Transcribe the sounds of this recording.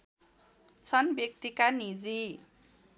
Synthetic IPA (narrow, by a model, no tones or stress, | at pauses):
t͡sʰʌnbjʌk̚t̪ikanid͡zi